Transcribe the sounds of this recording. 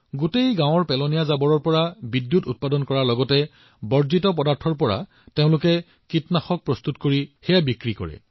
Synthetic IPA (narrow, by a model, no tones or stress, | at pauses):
ɡutejɡãw̃ɔɹpɛlɔnijazabɔɹɔɹpɔɹabidːjutut̚padɔnkɔɹaɹlɔɡɔtɛ | bɔɹzitɔp̬ɔdaɹtʰɔɹpɔɹa̰ | teʊ̃lʊkɛ | kitnaxɔk̚pɹɔst̪utkoɹixɛjabikɹikɔ̰ɹɛ̰